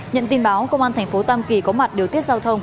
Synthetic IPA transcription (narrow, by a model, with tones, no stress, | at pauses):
ɲə̰˧˨nt̪i˧nɓaː˨˦wkə˧ŋ͡mʔaː˧nt̪ʰɛ˨˩ŋ̟fo˨˦t̪aː˧mki˧˨˩kɔ˨˦ma˨˩t̚ɗi˨˩əwt̪i˦˥ət̚zaː˧wt̪ʰə˧wŋ͡m